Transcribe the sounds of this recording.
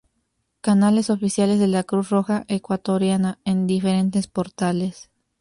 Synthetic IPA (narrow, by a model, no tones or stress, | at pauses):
kanale̞so̞fisjale̞zðelakɾusro̞xaʔekwat̪o̞ɾjanaend̪ifeɾe̞nt̪e̞spo̞ɾt̪ale̞s